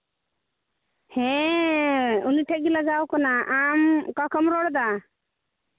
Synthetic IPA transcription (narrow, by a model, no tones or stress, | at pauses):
hɛ̃ | uniʈʰɛʔ̚ɡiləɡawkɔnaʔamkakʰɔmɾɔɽd̪a